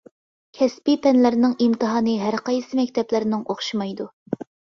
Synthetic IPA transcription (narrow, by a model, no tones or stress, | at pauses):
kʲʰɛspipɛnlɪɾnɨŋimt̪ɨɦɑːnɨɦæɾqɑjsɨmɛkʲt̪ʰɛplɪɾɪnɪŋoχʃimɑjd̪u